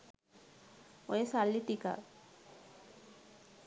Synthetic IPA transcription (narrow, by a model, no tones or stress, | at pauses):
ojesalːiʈika̰